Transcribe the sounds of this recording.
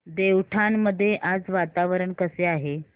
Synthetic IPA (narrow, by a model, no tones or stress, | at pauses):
d̪eʋʈʰanməd̪ʱːjeʔad͡zʋat̪aʋəɾəɳkəseaɦe